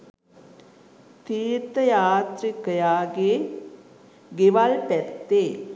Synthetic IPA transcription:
t̪iːɾt̪əjaːt̪ɾikəjaːɡe | ɡeʋalpɛt̪ːeː

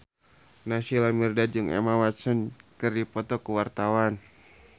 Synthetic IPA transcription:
nasilamirdad͡ʒɨŋɛ̰mawat̪sənkɨrdipɔt̪ɔkuwart̪awan

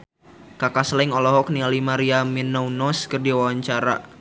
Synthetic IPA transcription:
kakaslɛŋɔlɔɦɔk̚nialimaɾiaminawnɔskərdiwawaɲt͡ʃaɾa̰

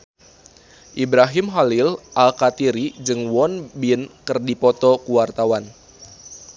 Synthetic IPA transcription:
ʔibɾaɦimɦalilʔalkat̪iɾid͡ʒɨŋwɔnbinkɨrdipɔt̪ɔkuwart̪awan

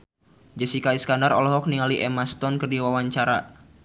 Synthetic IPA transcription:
d͡ʒɛsikaiskandaɾɔlɔɦɔk̚niŋaliʔɛmast̪ɔnkɨrdiwawaɲt͡ʃaɾa

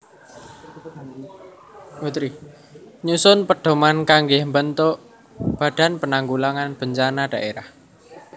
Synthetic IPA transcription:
ut̪ɾi | ɲusʊnpəɖ̥o̤mankaŋɡɪhmbənt̪oʔ | b̥ä̤d̥a̤npənaŋɡulaŋanb̥əɲt͡ʃanaɖ̥a̤ʔeɾah

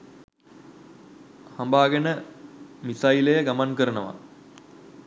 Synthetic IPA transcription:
hambaːɡenəmisajilejəɡamankəɾənəʋa̰

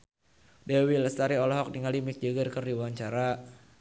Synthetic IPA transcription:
dɛwiləst̪aɾiɔlɔɦɔk̚diŋalimik̚d͡ʒəɡərkərdiwaɲt͡ʃaɾa

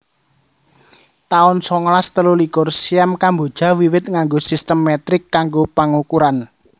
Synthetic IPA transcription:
t̪aʊnsɔŋlast̪əlulikʊrsiamkambod̥ʒ̥ä̤wiwɪt̪̚ŋaŋɡosist̪əmːɛt̪ɾɪkːaŋɡopaŋukuɾan

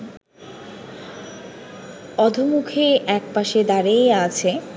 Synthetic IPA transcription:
ɔd̪ʱomukʰeɛk̚paʃed̪aɾeat͡ɕʰe

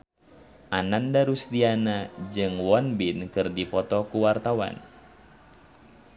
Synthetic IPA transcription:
ʔanandaɾusdianad͡ʒɨŋwɔnbinkɨrdipɔt̪ɔkuwart̪awa̰n

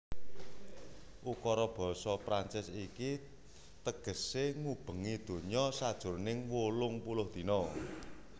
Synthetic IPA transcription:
ʔukɔɾɔb̥ɔ̤sɔpɾant͡ʃɪsiki | t̪əɡ̥ə̤seŋub̥ə̤ŋid̪̥o̤ɲɔsad̥ʒ̥ʊ̤rnɪŋwolʊŋpulʊhd̪̥i̤nɔ

